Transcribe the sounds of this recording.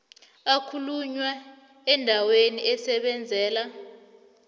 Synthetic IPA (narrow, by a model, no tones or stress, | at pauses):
akʰuluɲwa | ɛndʱaweniʔɛsɛɓɛnd͡zʱɛːla